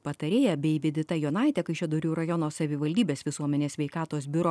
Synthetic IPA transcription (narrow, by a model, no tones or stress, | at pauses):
pɐt̪ɐɾʲeːjɛbʲɛɪʋʲɪd̪ʲɪt̪ɐjonɐˑɪt̪ʲɛkɐɪʃʲɛd̪oːɾʲuːɾɐjɔnoːsɐʋʲɪʋɐlʲd̪ʲiːbʲeːsʋʲɪsuɔmʲɛnʲeːssʲʋʲɛɪkɑːt̪oːs̬bʲɪɾo